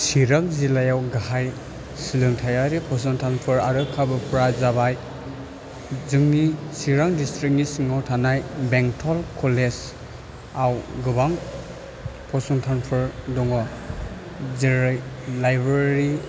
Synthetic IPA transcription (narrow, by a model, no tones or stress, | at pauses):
siɾaŋzilajawɡahaj | silɯŋtʰajaɾipʰɔs̬ɔŋtʰanpʰɯɾaɾɯkʰabɯpɾazabaj | zɯŋnisiɾaŋdistɾik̚nisiŋawtʰanajbeŋtʰɔlkʰɔles | awɡɯbaŋ | pʰɔsɔŋtʰanpʰɯɾdɔŋɔ | ziɾaj | lajbɾeɾi